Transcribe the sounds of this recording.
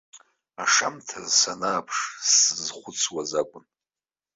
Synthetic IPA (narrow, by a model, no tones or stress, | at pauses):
aʂamtʰazsanaːpʰʂsɨzχʷʊt͡sʰwazakʷʼʊn